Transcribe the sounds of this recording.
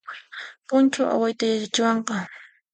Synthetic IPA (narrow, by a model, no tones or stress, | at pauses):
pʊnt͡ʃaʔa̰wajt̪ajat͡ʃat͡ʃɪwɑɴqɑ